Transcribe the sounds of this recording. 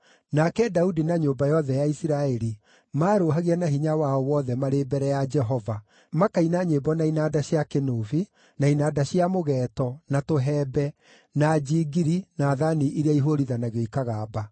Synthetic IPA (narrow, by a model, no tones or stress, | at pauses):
nakɛdaudinaɲoːmbajɔðɛjaisiɾaɛɾi | maːɾoɦaɣianaɦiɲawaɔwɔːðɛmaɾebɛɾɛjad͡ʒɛɦɔva | makainaɲebɔnainaːdaɕiakenoːvi | nainaːdaɕiamoɣɛːtɔnatoɦɛːbɛ | nad͡ʒiːɡiɾinaːðaniʔiɾeaiɦoɾiðanaɣoikaɣaːba